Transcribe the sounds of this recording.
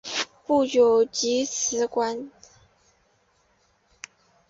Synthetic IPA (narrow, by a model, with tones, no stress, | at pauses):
pu˥˩jjo˨˩ʊt͡ɕi˧˥sʰɹ̩˧˥˦kwa˥n